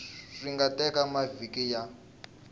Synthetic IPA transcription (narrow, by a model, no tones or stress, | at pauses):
ʂiŋɡatɛkamavikija